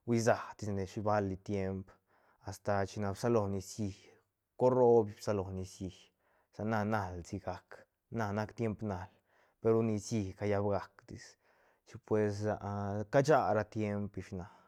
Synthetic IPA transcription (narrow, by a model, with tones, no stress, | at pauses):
wi˧za˨d̪i˧sne˨ʃi˧ba˦lːi˧t̪je˦mp | a˨st̪a˧t͡ʃi˧na˧bsa˦lo˧ni˧sji˧ | ko˦ɾo˦bi˧bsa˧lo˨ni˧sji˧ | sa˨na˧na˧˨lzi˧ɡa˧k | na˧na˦kt̪je˦mpna˨l | pe˧ɾo˧ni˧sji˧ka˧ja˧bɡa˨˧kd̪i˧s | t͡ʃi˧pwe˧s̬a̰˨˧ʔka˦t͡ʃa˦˧ɾa˧t̪je˦mpi˧ʃna˨